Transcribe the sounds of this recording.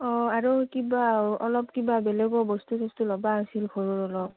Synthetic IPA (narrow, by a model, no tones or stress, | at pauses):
ɔaɹukibaɔlɔpkibabɛlɛɡɔbɔstusʰɔstulɔbaasilxʰoɹuɹɔlɔp